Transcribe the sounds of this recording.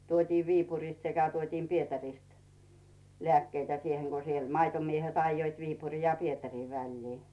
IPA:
tuotiː ʋiːpurisʲt sekæ tuotiːm pietærist lĕæˑkːeitæ sieheŋ ko se mɑitomiehet ɑĭjːoit ʋiːpuri jɑ pietæriː ʋælʲliː

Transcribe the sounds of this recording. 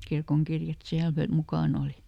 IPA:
kirkoŋkirjɑt siæl fø mukɑˑn oli

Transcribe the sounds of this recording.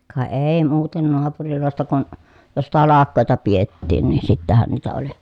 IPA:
kɑ eˑi muːten noɑpuriloˑestɑ kun jos tɑlɑkːoˑetɑ pietːiːn nin sitːæhæn niːtæ oli

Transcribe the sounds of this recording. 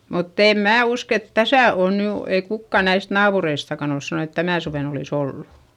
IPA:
mutː eˑm mæː usk et tæsæ oˑn ny ei kukːɑ næist nɑːpureistɑkɑn ols sɑnon et tænæˑ suʋen oliˑs olːu

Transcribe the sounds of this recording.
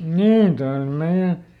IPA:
niːn toij̆ ol meij̆æ

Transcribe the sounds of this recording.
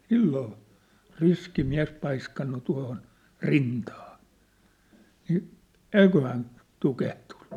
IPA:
silːoː riski miæ̝s pɑiskɑnːu tuɑ̝hon rintɑː ni eikøhæn tukehtu̥n̥ːu̥

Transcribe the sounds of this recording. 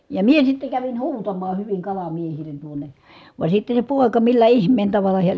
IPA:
jɑ mie sitːe kæʋin huːtɑmɑː hyʋiŋ kɑlɑmiehilen tuone ʋɑˑe sitːe se poˑekɑ milːæ ihmˑeːn tɑʋɑlˑɑ heæ

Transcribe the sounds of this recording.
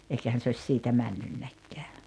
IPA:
eikæhæn se osʲ siːtæ mænːynːækːeæ

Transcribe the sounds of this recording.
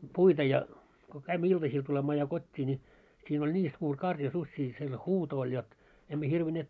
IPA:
puitɑ jɑ ko kæimːæ iltɑsiːl tulemɑː jɑ kotʲːiː nʲi siːn olʲ nʲiː suːr kɑrjɑ susʲːiː siel huːto olʲ jot emːæ hirʋineːt

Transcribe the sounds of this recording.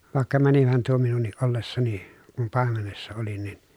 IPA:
ʋɑˑekːɑ mænihæn tuo minunːiʔ ʔolːesːɑni kum pɑˑemenesːɑ oli nin

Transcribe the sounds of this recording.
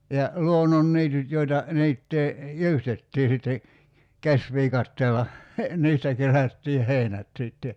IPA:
jɑ luonːonːiːtyt joitɑ niːtːeː jyːstetːiː sitːe kæsʋiːkɑtːeːlːɑ niːstæ kerætːiːh̆ heˑinæt siˑtːe

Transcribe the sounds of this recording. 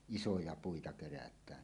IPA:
isojɑ puitɑ kerætˑæːn

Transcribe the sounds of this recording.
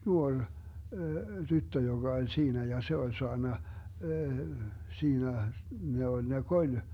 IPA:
nuorʲ tytːø joɡ̊ɑ olʲ siːnæ jɑ se olʲ soɑnːɑ siːnæ ne olʲ ne kolʲ

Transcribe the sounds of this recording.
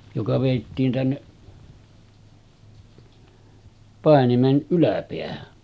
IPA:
jokɑ ʋeˑitːiːn tænːeʔ pɑˑenimen ʔylæpeæhæ

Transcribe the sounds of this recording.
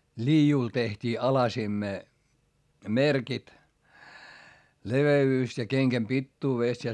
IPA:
liːjul tehtʲiː ɑlɑsimːeː merkit leʋeyːs jɑ keŋkæm pitːuːʋeˑst jɑ

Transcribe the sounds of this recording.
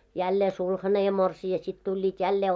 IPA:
jælːeː sulhɑne jɑ morsiɑ sit tulʲːiːt jælːeː

